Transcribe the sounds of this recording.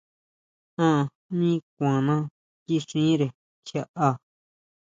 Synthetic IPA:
ã˦˧˨ | mĩ˦k̚ʷã˨nã˦ | ki˦ʂĩː˦ɾe˨ | kʰja˦˧ʔa˧

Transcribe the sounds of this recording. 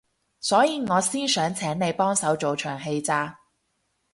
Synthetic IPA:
sɔː˨˥jiː˨˧ŋɔː˨˧siː˥nsœː˨˥ŋt͡sʰɛː˨˥ŋne˨˧jpɔː˥ŋsɐ˨˥wt͡so˨wt͡ʃʰœː˨˩ŋɦe˧jt͡saː˧

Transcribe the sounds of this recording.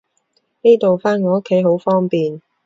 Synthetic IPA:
ne˥jt̪o˨wfaː˥nŋɔː˨˧o˥kʰːe˨˥jɦo˨˥wfɔː˥ŋpiː˨n

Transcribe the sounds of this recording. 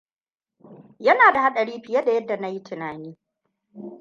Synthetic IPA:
jɐ˦naː˨da˨ha˦ɗɐ˨ɽiː˦ɸɪ˨jɐ˦da˨jɐ˦dːa˨na˦ji˦tɪ˨naː˨niː˦

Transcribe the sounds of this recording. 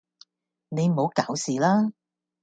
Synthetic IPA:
ne˨˧jm̩˨o˨˧˥wkaː˨˥wsiː˨˩laː˥

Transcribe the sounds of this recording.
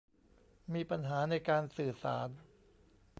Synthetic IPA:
miː˧pa˧nɦaː˩˦na˧jkaː˧nsɯː˨˩sa̰ː˩˦n

